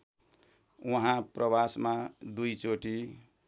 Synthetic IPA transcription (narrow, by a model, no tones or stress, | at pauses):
uɦãprʔʌbasmad̪ujt͡soʈi